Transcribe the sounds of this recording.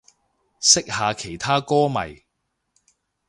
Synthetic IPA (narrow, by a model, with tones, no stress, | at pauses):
sɪ˥k̚haː˨˧kʰe˨˩jt̪ʰaː˥kɔː˥mɐ̰˨˩j